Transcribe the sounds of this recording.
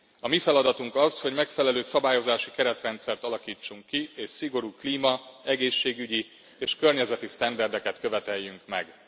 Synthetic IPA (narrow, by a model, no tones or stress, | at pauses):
ɒmifɛlɒd̪ɒt̪uŋkɒsho̞ɟmɛkfɛlɛløːsɒbaːjo̞zaːʃikɛɾɛt̪rɛnt̪sɛrt̪ɒlɒkiːt͡ʃːuŋkːieːʃsiɡo̞ɾuːkliːmɒɛɡeːʃːeːɡyɟi | eːʃkørɲɛzɛt̪ist̪ɛnd̪ɛrd̪ɛkɛt̪kø̞vɛt̪ɛjːyŋkmɛ̰ɡ